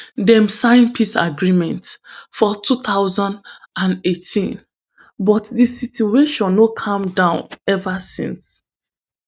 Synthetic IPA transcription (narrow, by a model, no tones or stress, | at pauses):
dɛ̃msãɪ̃npʰisa̰ɡɹimɛ̃ntfɔtʰuθaʊzãnd | ãnetʰḭ̃n | bɔtdisitueʃɔ̃nːokʰãmdãʊ̃nɛvasḭ̃ns